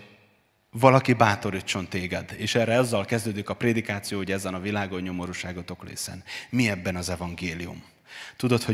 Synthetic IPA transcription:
vɒlɒkibaːt̪o̞ɾiːt͡ʃːo̞nt̪eːɡɛd̪eːʃɛːrɛɒzːɒlkɛzd̪øːd̪ikɒpreːd̪ikaːt̪sijoːhoɟɛzɛnɒvilaːɡo̞ɲːo̞mo̞ɾuʃaːɡot̪o̞klḛːsɛ̰nmiɛbːɛnɒzɛvɒŋɡeːlijṵm | t̪ud̪o̞t̪ho

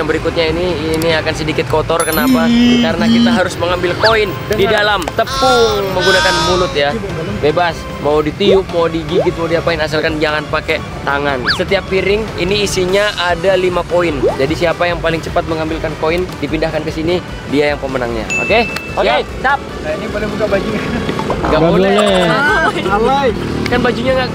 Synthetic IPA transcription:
aŋbəɾikʊt̪̚ɲaininiakansədikɪt̪̚kot̪ɔrkənapaitkaɾənakit̪aɦaɾʊsməŋambɪlkoɪn | didalamt̪əpʊŋməŋɡunakanmulʊt̪ja | bebas | mawdit̪iʊp̚mawdiɡiɡɪt̪̚maudiapaɪnasalkand͡ʒaŋanpakɛ | t̪aŋansət̪iapːiɾɪŋiniːsiɲaʔadalimakoɪnd͡ʒadisiapajaŋpalɪŋt͡ʃə̥pat̪̚məŋambɪlkankoɪndipindahkankəsini | diajaŋpəmənaŋɲa̰o̰ke | oke | sap̚ | inipadabukabad͡ʒuɲaɡabɡaol | alakanbad͡ʒuɲaŋɡaʔ

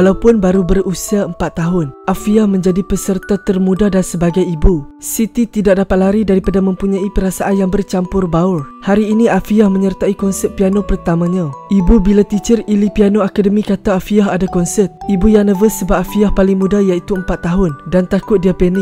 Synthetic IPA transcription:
alawpʊnbaɾubərusiaəmpat̪ːaɦʊnʔafiahmə̃ɲd͡ʒadipəsərt̪at̪ərmũdadansəbaɡajibusit̪it̪idak̚dapat̪̚laɾidaɾipadamə̃mpuɲãipəɾasaʔanjaŋbərt͡ʃampʊrbaʊrhaɾiːniafiahmə̃ɲərt̪aikɔnsət̪̚pianopərt̪amãɲãʔibubilat̪it͡ʃərilipianoakadəmĩkat̪aːfiaɦadakɔnsət̪̚ʔibujaŋnəvəsːəbaʔafiahpalɪŋmũdajait̪uəmpat̪ːaɦʊndant̪akʊt̪̚diapɛni

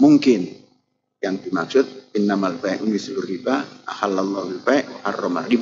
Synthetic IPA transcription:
muŋkɪn | jaŋd̪imak̚sʊt̪̚ɪnːamalbaɛʔunisuluribaa̰halalːɔhbilbaɛʔha̰rːɔma̰rib

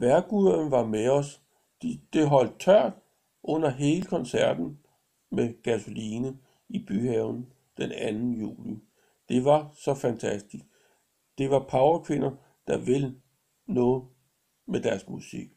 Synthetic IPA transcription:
ʋæɐɡ̥uðˠɐn̩ʋɑ̈meɒ̽s | d̥id̥e̝ɦɒ̽l̰d̥̚t͡sʰɶɐ̰d̥ | ʔɔ̽n̰ɐɦe̝ːləkʰɒ̽nsæɐ̰d̥n̩ | meɡ̥æsoliːnə | ib̥yhɛʊn̩ | d̥enænn̩jṵːli | d̥e̝ʋɑ̈sɒ̽fænt͡sʰæsd̥isɡ̥̚ | d̥e̝ʋɑ̈pʰɑ̈ʊɐkʰʋe̝nɐ | d̥ɑ̈ʋe̝l | nɔ̽ːð̩ˠ | med̥æɐsɡ̥uðˠsḭɡ̥

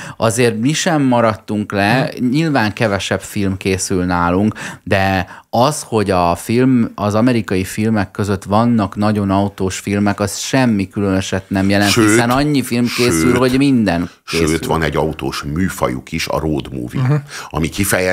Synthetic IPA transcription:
ɒzeːrt̪miʃɛmːɒɾɒt̪ːuŋklɛɲilvaːŋkɛvɛʃɛpfilmkeːsylnaːluŋkd̪ɛɒsho̞ɟɒfilmɒzɒmɛɾikɒjifilmɛkːø̞zø̞t̪ʋɒnːɒknɒɟo̞nɒut̪oːʃfilmɛkɒsʃɛmːikylønøʃɛt̪nɛmjɛlɛntʃiøsɛnɒɲːifilmkeːsylho̞ɟmind̪ɛn | ʃkeːøːt̪ʋɒnɛɟːɒut̪oːʃmyːfɒ̰jṵkiʃɒ̰ɾoːd̪mṵːvḭɒ̰mikifɛjɛ

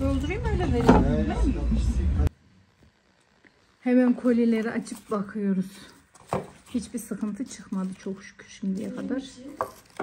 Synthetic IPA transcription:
d̪olˠd̪uɾujumønʲlɛbeɾinilɛ | hemænkʰo̞lʲilʲeɾiʔat͡ʃʰɯp̚bakʰɯjo̞ɾuz̥ | hit͡ʃbiɾsɯkʰɯnt̪ʰɯt͡ʃʰɯxmad̪ɯt͡ʃʰo̞kʃy̥cʰy̥ʃimd̪ijɛkʰad̪aɾ̥

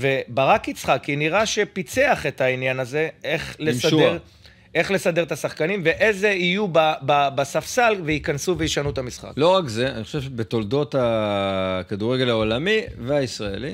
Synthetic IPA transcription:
ve̞baʁakit͡sχakːiniʁaʃe̞pit͡se̞aχe̞t̪ainjanaze̞eχlesadeʁ | ʔe̞χle̞sad̪e̞ʁt̪asaχkanimve̞ʔezeijubababasafsalveikansuvejiʃanut̪amisχa̰klo̞ʁakzeaniχoʃevʃebet̪old̪o̞t̪a | kad̪uʁeɡe̞laolamiveaisʁaḛli

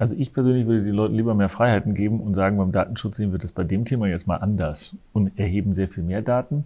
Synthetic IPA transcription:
ʔalzoʔɪçpʰɛɐzøːnlɪç̬vʏɐdədeːnlɔʏtn̩liːbɐmeːɐfʁ̥aɪhaɪtn̩ɡeːbm̩ʊntz̥aːɡŋ̩baɪmda̰ːtn̩ʃʊt͡sz̥eːənviɪɐtd̥asb̥aɪdeːmtʰeːmajɛt͡stmaːlʔandɐsʊntʔɛɐɦeːbm̩zeːɐfiːlmeːɐdaːtn̩

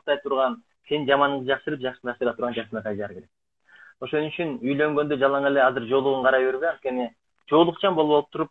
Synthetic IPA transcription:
qt̪ɑjt̪ʰuɾʁɑn | send͡ʒɑmɑnɴʁɯd͡ʒɑqʃɯɾɯp̚d͡ʒɑʃɯ̥d͡ʒɑqʃɯɾɑt̪ʰuɾʁɑnd͡ʒɑsnɑqʰɑj̪ɑɾkʰe̞ɾe̞k̚ | o̞ʃo̞nyt͡ʃynyjlø̞ŋɡø̞nd̪ød͡ʒɑlˠɑŋe̞le̞ɑzɨɾd͡ʒo̞ːlˠuʁuɴqʰɑɾɑjβeɾβeɑnt̪ke̞nɪ | d͡ʒo̞ːlˠuqt͡ʃʰɑmbo̞lˠupːoɯp̚t̪ʰuɾup̚

